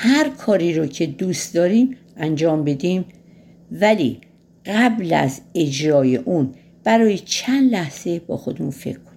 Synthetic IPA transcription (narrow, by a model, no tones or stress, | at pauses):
hæɾkʰɒːɾiːɾocʰe̞d̪uːst̪d̪ɒːɾiːm | ʔænd͡ʒɒːmbe̞d̪iːm | væliː | ɢæblæ̰ze̞d͡ʒɾɒːjeʔuːn | b̥æɾɒːjet͡ʃʰænd̪læhz̥e̞bɒ̰ːxo̞d̪emunfḛkʰkʰːoni